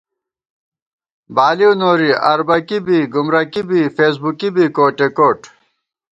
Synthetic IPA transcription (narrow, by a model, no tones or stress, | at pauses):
baːliunoːɾiɐ̰ɾbɐkibiːɡumɾɐkibiːfeːs̬bukibiːkoːʈekoːʈ